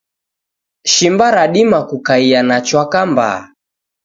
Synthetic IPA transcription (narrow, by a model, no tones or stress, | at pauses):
ʃimbaɾaɗimakukaianat͡ʃwakamba̰